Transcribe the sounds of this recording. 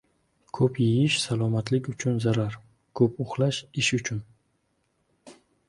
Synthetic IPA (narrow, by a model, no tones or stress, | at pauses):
kʰɵpʰjɪjɪʃsalˠɒmat̪ʰlɪkʲʊt͡ʃʰʊnzaɾaɾ | kʰɵpoχlaʃɪʃʊt͡ʃʰʊn